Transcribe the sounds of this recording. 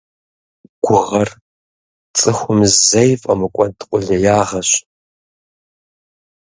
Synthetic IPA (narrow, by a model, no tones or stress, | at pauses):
ɡ̥ʷʊʁɐr | t͡sʼɨxʷʊmzzɐjfʼɐmɨkʷʼɔdqʷʼʊɮɐjaːʁɐɕ